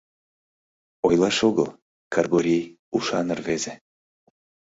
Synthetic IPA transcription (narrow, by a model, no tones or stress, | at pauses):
ojlˠɑʃoɣəlˠ | kʰɑrɡoɾʲej | uʃɑnɤrveze